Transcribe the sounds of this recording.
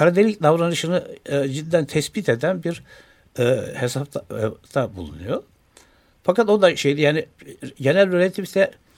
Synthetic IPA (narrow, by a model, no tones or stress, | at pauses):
kʰaɾad̪elʲicd̪avɾanɯʃɯnɯd͡ʒid̪id̪ænt̪ʰɛsbit̪ʰe̞d̪ænbiɾ | ɛːhesapt̪ʰat̪ʰabṵlˠṵnujo | fakat̪o̞d̪aʃejd̪ijaːniɟe̞nælʲbøɾet̪ʰipsɛ